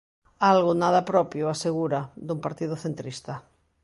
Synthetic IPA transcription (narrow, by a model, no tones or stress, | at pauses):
alɣʊnaðɐpɾɔpjʊaseɣuɾad̪umpaɾt̪iðʊθent̪ɾist̪ɐ